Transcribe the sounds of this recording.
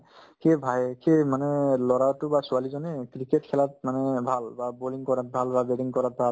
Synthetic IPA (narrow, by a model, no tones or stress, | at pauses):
kʰebʱajkʰemanɛlɔɹaɹtʊbasualizɔnɛkɹiketkʰɛlat̚manɛbʱalbaboliŋkɔɹat̚bʱalbabeɖiŋkɔɹat̚bʱal